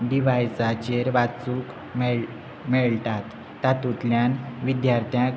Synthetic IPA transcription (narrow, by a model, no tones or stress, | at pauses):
ɖiʋajsat͡ɕeɾʋat͡suk | mɛ | mɛɭʈ̪at̪ː | at̪ut̪ljanʋid̪jaɾt̪ʰjã